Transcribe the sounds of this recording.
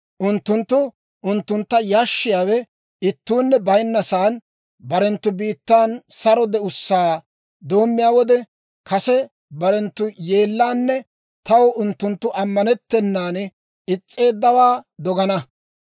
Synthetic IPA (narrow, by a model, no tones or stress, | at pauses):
ʔʊnt̪ːʊnt̪ːʊ | ʔʊnt̪ːʊnt̪ːɐjaːʃːɪjaːwɛ | ɪt̪ːuːnːɛbɐjnːɐsaːn | bɐɾɛnt̪ːʊbiːt̪ːaːnsɐɾɔd̪ɛʊsːaː | d̪o̞ːmːɪjaːwɔd̪ɛ | kʰɐsɛ | bɐɾɛnt̪ːʊje̞ːlːaːnːɛ | t̪ɐwʊnt̪ːʊnt̪ːʊʔɐmːɐnɛt̪ːɛnːaːn | ɪt͡sʼːe̞ːd̪ːɐwaːd̪ɔɡɐnɐ